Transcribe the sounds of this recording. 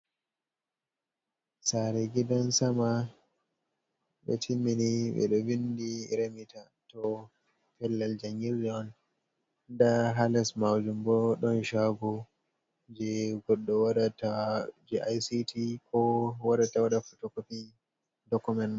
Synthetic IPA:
saɾɛɡidɔnsama | ɓɛ̰tʰimːiniɓɛ̰ɗɔvindiɾemita | tɔ | pɛlːald͡ʒaŋɡiɾd͡ʒɔn | ndaɦalɛsmawd͡ʒumbɔɗɔnʃaɡu | d͡ʒɛɡɔɗːɔwaɗatad͡ʒiʔajsitʰikʰɔwaɗatawaɗafutɔkofi | dɔkumɛntm

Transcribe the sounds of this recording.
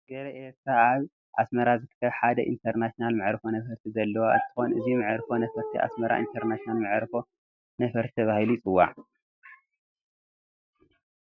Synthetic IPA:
ɡ̥ɐɾɐʔeɾt̪ʰɾaaβ | ʔa̰smɐɾazɨt̪ʰɨ̥kʰːɐβħad̪ɐʔḭnt̪ʰɐɾnatijonalmɨʕɾɨfo̞nɐfɐɾt̪ʰizɐlːɐwaʔɨ̰nt̪ʰɨ̥xo̞nʔɨzimɨʕɾfo̞nɐfɐɾt̪ʰiʔa̰smɐɾa̰ʔḭnt̪ʰɐɾnasinalmɨʕɾfo̞ | nɐfɐɾt̪ʰi̥t̪ʰɐβahilujit͡sʼɨwːa̰ʕ

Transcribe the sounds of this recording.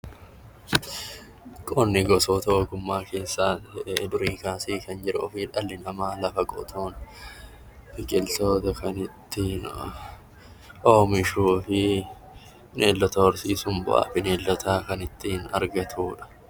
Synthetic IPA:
kʼoːnːɪɡɔsoːt̪ɐoɡʊmːaːke̞ːsːaːd̪ʊɾiːŋkaːsiːkɐnd͡ʒɪɾʔʊɔfiᶑɐlːɪnɐmaːlɐfɐkʼɔ̰t̪ʰoːn | fɪkʼɪlt̪oːt̪ɐkɐnɪt̪ːɪ | ʔoːmɪʃuːfɪ | nʔeːlːɔt̪ɐwɔɾsiːsʊmbʊ̰ʔa̰ːfɪneːlːɔt̪ʰaːkɐnɪt̪ːɪɪnɐ̰ɾɡɐt̪ʰuːᶑɐ̥

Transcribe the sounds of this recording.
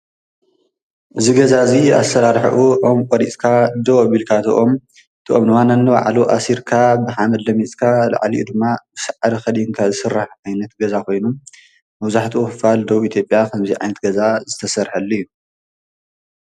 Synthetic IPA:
ʔɨziɡɐzaɨzia̰sɐɾaɾħʔuʔomkʼɔɾit͡sʼkʰad̪ɐwβilkʰat̪ʰoʔo̞m | t̪ʰɨʔomnɨwanɐnːɨba̰ʕluʔasiɾkʰabɨħamɐd̪lɐmit͡sʼkʰala̰ʕliʔud̪ɨmːabɨsɨʕaɾɐxɐd̪iŋkʰazɨsɨrːaħʕajnɐt̪ɡɐzakʰo̞jnu | mɐβzaħt̪ʰuʔuxɨfald̪ɐβit̪ʰjo̞pʼjakʰɐmziʕa̰jnɐt̪̚ɡɐzazɨt̪ʰɐsɐɾħɐlːijːu

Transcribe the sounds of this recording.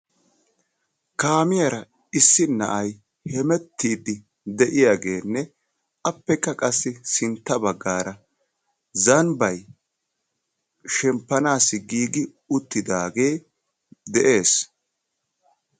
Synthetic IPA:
kaːmɪjɐɾɐ | ɪsːɪnːɐ̰ʔɐj | hɛmɛt̪ːiːd̪ːɪ | d̪ɛʔɪjaːɡe̞ːnːɛ | ɐpːɛkːɐkʼɐsːɪsɪnt̪ːɐbɐɡːaːɾɐ | zɐnbɐj | ʃɛmpːɐnaːsːɪɡiːɡɪ | ʊt̪ːɪd̪aːɡe̞ː | d̪ɛʔe̞ːs

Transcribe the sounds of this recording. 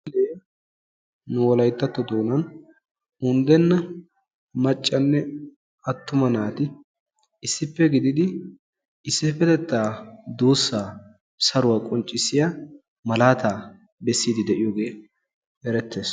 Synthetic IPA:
lɛj | nʊwɔlɐjt̪ːɐt̪ːɔd̪o̞ːnɐn | ʊnd̪ɛnːɐ | mɐt͡ʃʼːɐnːɛ | ɐt̪ːʊmɐnaːt̪ɪ | ɪsːɪpːɛɡɪd̪ɪd̪ɪ | ɪsːɪfɛt̪ɛt̪ːaːd̪uːsːaː | sɐɾʊwaːkʼɔnt͡ʃʼːɪsːɪja | mɐlaːt̪aː | bɛsːiːd̪ɪd̪ɛʔɪjoːɡe̞ː | ɛɾɛt̪ːe̞ːs

